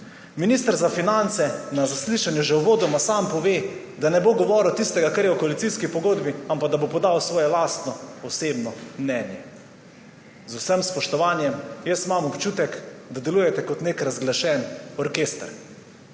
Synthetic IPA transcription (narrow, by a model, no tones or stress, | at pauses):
minist̪əɾzafinant̪sɛnazasliʃanjuʒɛwʋoːd̪ɔmasampɔʋeː | d̪anɛboɡɔʋɔɾɛwt̪ist̪ɛɡakaɾjɛɔkoalit̪sijskipɔɡoːd̪biampaɡ̚d̪abopɔd̪awsʋɔːjɛlaːst̪nɔɔseːbnɔmnɛnjɛ | zusəmspɔʃt̪ɔʋaːnjɛmjɛsmamɔpt͡ʃuːt̪ɛkd̪ad̪ɛluːjɛt̪ɛkɔt̪nekɾazɡlaʃɛnɔɾkeːst̪ɾ